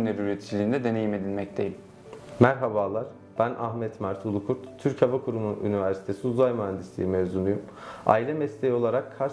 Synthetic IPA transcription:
nɛbiyɾet̪ʰi̥d͡ʒilʲiːnd̪ɛd̪e̞ne̞jime̞d̪ilʲmɛct̪ʰejim | mæɾɦabaːlˠaɾ̥ | b̥ænʔahmɛt̪mæɾt̪ʰulˠukʰuɾt̪tʰyɾchavakʰuɾumuny̰nivæɾsi̥t̪ʰesiuzajmoɦand̪ist̪ʰḭimevzunujum | a̰ːilʲɛmɛst̪ʰejio̞lˠaɾakʰːaɾ

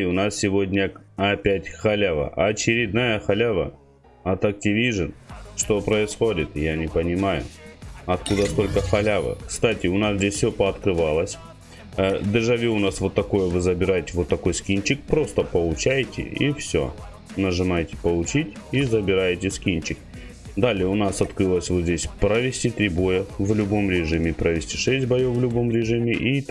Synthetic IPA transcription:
ɪʊnassʲɪvo̞dʲnʲəɐpʲætʲxɐlʲavə̰ʔɐt͡ɕɪɾʲɪd̪najəxɐlʲavə̰ | ɐt̪ɐk̚tʲɪvʲiʐɨnʂt̪o̞pɾəɪsxo̞dʲɪt̪janʲɪpənʲɪmajʊ̰ɐt̪kud̪əst̪o̞lʲkəxɐlʲavɨ̰kst̪atʲɪʊnasdʲesʲfʲsʲopɐːt̪kɾɨvalˠəsʲ | əd̪ɨʐɐvʲiʊnasvo̞t̪ːɐko̞jəvɨzəbʲɪɾajɪtʲɪvo̞t̪ːɐko̞jskʲint͡ɕɪk̚pɾo̞st̪əpəlˠʊt͡ɕæjtʲɪ̰ḭfsʲo̰ | nəʐɨmajtʲɪ̥pəlˠʊt͡ɕitʲizəbʲɪɾajɪtʲɪskʲint͡ɕɪk̚ | d̪alʲɪəʊnasɐt̪kɾɨlˠəsʲvozʲdʲesʲpɾəvʲɪsʲtʲit̪ɾʲibo̞jəvlʲʊbo̞mɾʲɪʐɨmʲɪpɾəvʲɪsʲtʲi̥ʂɛsʲt̚ʲbɐjofvlʲʊbo̞mɾʲɪʐɨmʲɪʔi

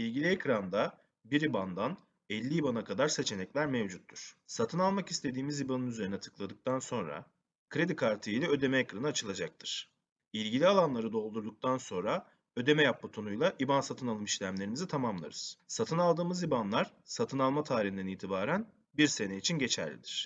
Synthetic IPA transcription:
ilʲɟilʲiecɾand̪a | biɾiband̪an | ɛlʲːiibanakʰad̪aɾse̞t͡ʃʰe̞nɛclʲæɾmevd͡ʒut̪ʰːuɾ̥sat̪ʰɯnalˠmaki̥st̪ʰe̞d̪iːmizibanɯnyze̞ɾinɛt̪ʰɯ̥klˠad̪ɯk̚t̪ʰanso̞nɾa̰ | kʰɾe̞d̪ikʰaɾt̪ʰɯijlʲɛø̞d̪e̞mɛɛcɾanɯat͡ʃʰɯlˠad͡ʒak̚t̪ʰɯɾ̥ | ilʲɟilʲialˠanlˠaɾɯd̪o̞lˠd̪uɾd̪uk̚t̪ʰanso̞nɾa | ø̞d̪e̞mɛjap̚bat̪ʰonujlˠaʔibansat̪ʰɯnalˠɯmiʃlʲæmlʲe̞ɾimizit̪ʰamamlˠa̰ɾɯz̥sat̪ʰɯnalˠd̪ɯːmɯzibanlˠaɾ̥sat̪ʰɯnalˠmat̪ʰaːɾihind̪ɛniːt̪ʰibaːɾæn | biɾse̞neit͡ʃʰinɟe̞t͡ʃʰæ̰ɾlʲḭd̪iɾ̝̥

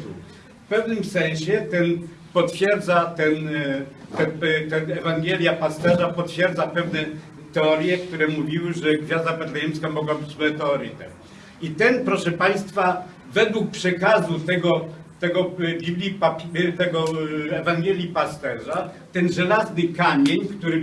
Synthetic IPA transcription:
fpɛvnɘmsɛ̃ñɕɛt̪ɛn | pɔt̪fʲjɛɾd̪zat̪ɛn | t̪ɛt̪ɛnɛvaŋɡɛlʲjapast̪ɛʐapɔt̪fʲjɛɾd̪zapɛvnɛ | t̪ɛɔɾʲjɛkt̪uɾɛmuvʲiwɘʐɛɡvʲjazd̪apɛd̪lajɛmskamɔɡɔ̃bɘt͡ɕmɛt̪ɛɔɾɨt̪ɛ̰m | it̪ɛnpɾɔʂɛpaj̃st̪fa | vɛd̪wuk̚pʂɛkazut̪ɛɡɔ | t̪ɛɡɔbʲiblʲipapʲt̪ɛɡɔɛvaŋɡjɛlʲjipast̪ɛʐa | t̪ɛnʐɛlaznɘkamʲjeɲkt̪uɾɘ

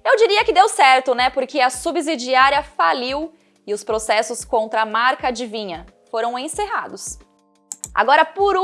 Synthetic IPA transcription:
ewd͡ʒiɾiɐkɪd̪ewsɛɾt̪ʊnɛpoɾkɪɐsubizid͡ʒiaɾiɐfaliw | ɪʊspɾosɛsʊskõnt̪ɾɐːmaɾkɐd͡ʒɪvĩɲɐ | foɾɐ̃w̃ẽseɦad̪ʊs | a̰ɡɔɾɐpoɾ

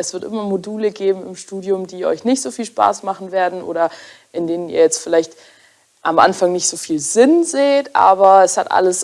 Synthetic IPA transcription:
ɛsv̥ɪɐtʔɪmɐmoduːləɡeːbm̩ɪmʃtuːdjʊmdiːʔɔ̰ʏçnɪçtz̥oːfiːlʃpa̰ːsmaχn̩veːɐdn̩ʔo̰ːɾɐ | ʔɪndeːnəniːɐjɛt͡stfɪlaɪçt | ʔamʔa̰nfaŋnɪçtz̥oːfiːlzɪnzeːtʔa̰ːbɐɛshatʔa̰ləs

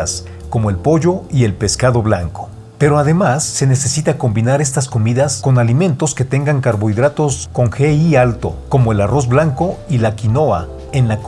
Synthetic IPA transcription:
s | ko̞mo̞e̞lpo̞ʝo̞ie̞lpe̞skaðo̞βlaŋko̞̥ | pe̞ɾo̞aðe̞masːe̞ne̞se̞sit̪ako̞mbinaɾe̞s̬t̪askomiðasko̞nalimẽ̞nt̪o̞ske̞t̪e̞ŋɡaŋkaɾβo̞iðɾat̪o̞sko̞ŋxeialt̪o̞̰ko̞mo̞e̞laro̞zblaŋko̞ilakino̞a | e̞nla

